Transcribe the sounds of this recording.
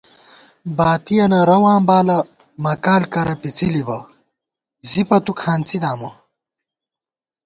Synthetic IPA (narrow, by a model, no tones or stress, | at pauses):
baːt̪ijɐnɐɾɐwaːmbaːlɐ | mɐkaːlkɐɾɐpit͡silibɐ | zipɐt̪ukʰaːnt͡sid̪aːmɐ